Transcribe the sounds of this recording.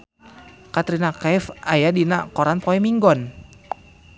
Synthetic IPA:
kat̪ɾinakɛfajadinakɔɾanpɔɛmiŋɡɔn

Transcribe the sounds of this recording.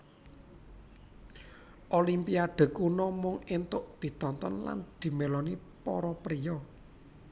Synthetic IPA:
ʔolimpiaɖ̪̥ə̤kunɔmʊŋɪnt̪ʊʔd̪̥i̤t̪ɔnt̪ɔnla̰nd̪̥i̤melɔni | pɔ̰ɾɔpɾijɔ

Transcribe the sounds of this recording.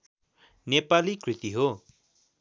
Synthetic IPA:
nepalikrit̪iɦo

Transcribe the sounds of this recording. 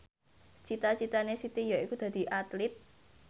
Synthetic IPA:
t͡ʃit̪at͡ʃit̪anesit̪ijɔikud̪̥a̤d̪̥i̤ʔat̪lɪt̪̚

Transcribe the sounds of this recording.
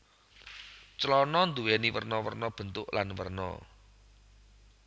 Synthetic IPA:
t͡ʃlɔnɔnd̪uwɛniwə̰rnɔwərnɔb̥ə̤nt̪ʊʔlanwə̰rnɔ̰

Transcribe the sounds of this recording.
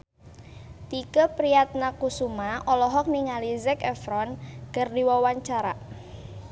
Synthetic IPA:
t̪ikəpɾijat̪̚nakusumaɔlɔɦɔk̚niŋalizɛkɛfɾɔnkərdiwɔwaɲt͡ʃaɾa

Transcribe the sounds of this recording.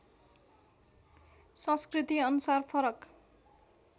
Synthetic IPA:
sʌ̃skrit̪iʌnusarpʰʌɾʌk

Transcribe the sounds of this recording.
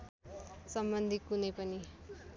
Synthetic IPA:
sʌmbʌnd̪ʱikunʌjpʌni

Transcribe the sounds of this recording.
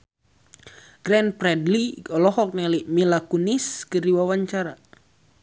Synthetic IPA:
ɡ̥ɾɛnpɾɛdliɔlɔɦɔk̚nɛlimilakuniskərdiwawaɲt͡ʃaɾa

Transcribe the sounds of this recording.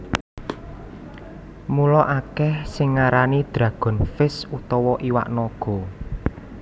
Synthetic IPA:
mulɔʔakɛhsɪŋːaɾanid̪̥ɾä̤ɡ̥ɔ̤nfɪsut̪ɔwɔʔiwa̰ʔnɔɡ̥ɔ̤

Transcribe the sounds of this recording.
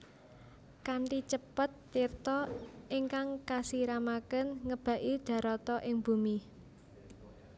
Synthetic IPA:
kaɳʈit͡ʃəpət̪ːirt̪ɔʔiŋkaŋkasiɾamakənŋəb̥a̤ʔid̪̥a̤ɾɔt̪ɔʔɪŋb̥ṳmi

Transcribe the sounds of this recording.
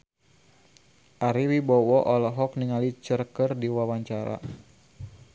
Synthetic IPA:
ʔaɾiwibɔwɔʔɔlɔɦɔkniŋalit͡ʃərkərdiwawaɲt͡ʃaɾa̰

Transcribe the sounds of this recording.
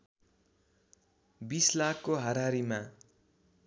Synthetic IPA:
bislakʰkoɦʌɾaɾima

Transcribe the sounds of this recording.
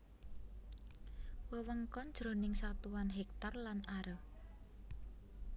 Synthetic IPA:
wəwəŋkɔnd̥ʒ̥ɾo̤nɪŋsat̪uwanɦɛk̚t̪arlanaɾə

